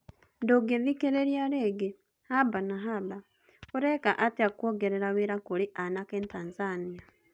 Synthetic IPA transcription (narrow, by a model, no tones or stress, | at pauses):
ndoɡeðikeɾeɾjaɾeɡe | habanaɦaba | oɾɛkaʔateakwoɡeɾeɾaweɾakoɾeʔanakeːntaːnzania